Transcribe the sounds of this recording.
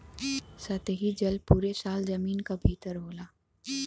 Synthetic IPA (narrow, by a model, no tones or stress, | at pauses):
sɐt̪eɦid͡ʒɐlpuːɾesaːlzɐmiːnkabʱiːt̪əɾɦoːlaː